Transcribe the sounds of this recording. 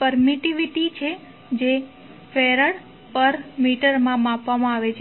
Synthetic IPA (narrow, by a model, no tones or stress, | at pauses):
pəɾmiʈiʋiʈit͡ʃʰe | d͡ʒe | feɾəɽ | pəɾmiʈəɾmãmãpʋamãaʋet͡ʃʰe